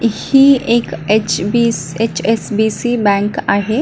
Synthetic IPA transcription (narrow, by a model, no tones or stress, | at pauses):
hieːket͡ʃbiset͡ʃesbiːsibɛ̃ːŋkaːɦe